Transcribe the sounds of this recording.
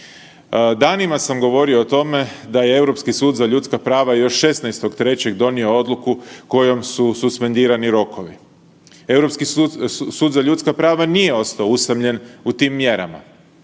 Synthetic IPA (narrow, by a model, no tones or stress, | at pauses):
d̪aːnimasamɡo̞ʋo̞ɾioːt̪o̞me̞d̪aje̞e̞wɾo̞pskisuːd̪zaʎut̪skapɾaːʋajo̞ʃːe̞snajst̪o̞kt̪ɾe̞t͡ɕe̞ɡd̪o̞nio̞o̞d̪lˠukuko̞jo̞msususpe̞nd̪iːɾaniɾo̞kʰo̞ʋi | e̞wɾo̞pskisuːd̪zaʎut̪skapɾaːʋanije̞o̞st̪aoust̪amʎe̞nut̪iːmːje̞ɾa̰ma̰